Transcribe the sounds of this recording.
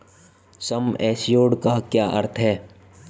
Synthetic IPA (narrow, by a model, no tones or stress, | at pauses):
sɐmɛːsjoːɽkakjaːʔɐ̰ɾt̪ʰɦɛː